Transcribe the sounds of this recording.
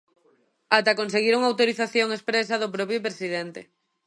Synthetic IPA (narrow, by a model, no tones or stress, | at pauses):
at̪akonseɣ̞iɾuŋawt̪oɾiθaθjoŋespɾesɐðʊpɾɔpjopɾesiðent̪e